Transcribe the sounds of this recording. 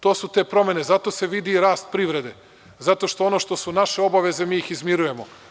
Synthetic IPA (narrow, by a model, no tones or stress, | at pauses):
t̪oːsut̪e̞ːpɾo̞me̞nezat̪o̞ːse̞ʋid̪iɾaːst̪̚pɾiʋɾe̞d̪e̞ | zat̪oʃt̪oono̞ːʃt̪o̞sunaʃeo̞baʋe̞ze̞miːixizmiɾuje̞mo̰